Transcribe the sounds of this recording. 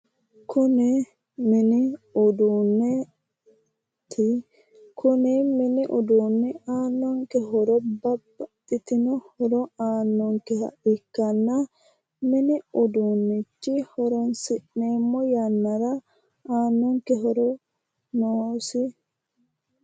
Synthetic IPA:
kʰʊnɛ | mɪnɪʊd̪uːnːɛ | t̪ʰɪ | kʰʊnɛmɪnɪʔɔd̪uːnːɛaːnːɔŋkɛɦɔɾɔbɐbɐt̪ʼːɪt̪ɪnɔhɔɾɔaːnːɔŋkɛhɐ̰ʔɪkːɐnːɐ | mɪnɪɔd̪unːɛt͡ʃːɪhɔɾɔnsɪʔːeːmːɔjɐnːɐɾɐ | aːnːɔŋkɛɦɔɾɔ | noːsɪ

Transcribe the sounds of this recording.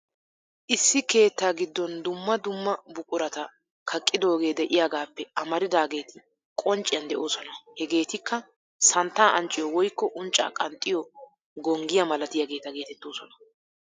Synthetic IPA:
ʔɪsːɪke̞ːt̪ːaːɡɪd̪ːɔnd̪ʊmːɐd̪ʊmːɐbʊkʼʊɾɐt̪ɐ | kʰɐkʼːɪd̪o̞ːɡe̞ːd̪ɛʔɪjaːɡaːpːɛʔɐmɐɾɪd̪aːɡe̞ːt̪ɪ | kʼɔnt͡ʃʼɪjɐnd̪ɛʔo̞ːsɔnɐhɛɡe̞ːt̪ɪkːɐ | sɐnt̪ːaːʔɐnt͡ʃʼːɪjɔwɔjkːɔʔʊnt͡ʃʼːa̰ːkʼɐnt̪ʼːɪjɔ | ɡɔŋɡɪjɐmɐlɐt̪ɪjɐɡe̞ːt̪ɐɡe̞ːt̪ɛt̪ːoːsɔnɐ

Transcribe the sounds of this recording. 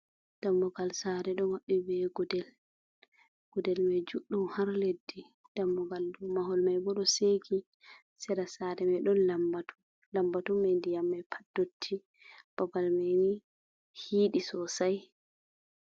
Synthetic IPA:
d̥amːɔɡalsaɾɛɗɔmaɓːibɛɡɔdɛl | ɡ̥ɔdɛlmɛd͡ʒuɗːumhaɾledːi | d̥amːɔɡaldɔmaɦɔlmajbɔɗɔseɡi | sɛɾasaɾɛmɛɗɔnlambatu | lambatumːandijamːajpʰḁdːotʰːi | b̥abalmɛni | hiːɗisɔsaj

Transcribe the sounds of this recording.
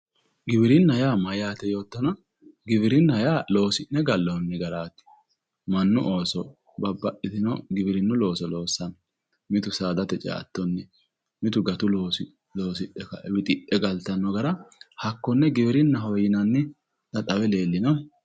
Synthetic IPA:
ɡɪbɪɾɪnːjaːmɐjaːt̪ɛjo̞ːt̪ːɐnɐ | ɡɪbɪɾɪnːɐjaːlo̞ːsɪnːɛɡɐlːɔnːɛɡɐɾaːt̪ːɪ̥ | mɐnːʊʔoːsɔ | bɐbːɐʔɪt̪ɪnɔ̰ɡɪbɪɾɪnːɔlo̞ːsɔlo̞ːsːɐnɔ | mɪt̪ʊsaːd̪ɐt̪ɛt͡ʃʼa̰ːt̪ːɔnːɛ | mɪt̪ʊɡɐt̪ʊloːs | loːsɪʔːɛkɐ̰wɪt̪ʼɪʔːɛɡɐlt̪ɐnːɔɡɐɾɐhɐkːɔnːɛɡɪbɪɾɪnːɐɦɔjɪnɐnːɪ | t̪ɐt̪ʼɐwɛle̞ːlːɪnɐ

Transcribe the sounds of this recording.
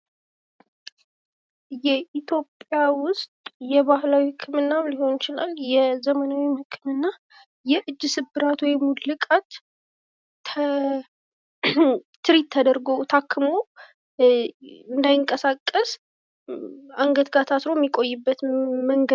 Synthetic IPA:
jɛʔit̪ʰjo̞pʼːjawʊst̪ʼjɛβahlawihɨkʰːɨmɨnːamliho̞nt͡ʃɪla̰ljɛzəmənawimhɨkʰːɨmɨnːa | jɛʔɨd͡ʒːɨsɨbːɨɾat̪wɔjmud̪lɨkʼat̪ | t̪ʰɨɾit̪ʰːəd̪əɾɡo̞t̪ʰakʰːɨmo | ɨnd̪ajɪŋkʼəsakʼːəs | aŋɡət̪ɡat̪ʰasɾo̞jɛmːikʼo̞jːɪbːət̪məŋɡə

